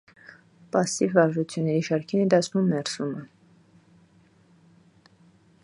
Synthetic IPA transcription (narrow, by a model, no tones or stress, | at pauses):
pɑsːivvɑɾʒut͡sʰjunːɛɾiʃɑɾkʰinɛd̪ɑsʰnumːɛɾsumə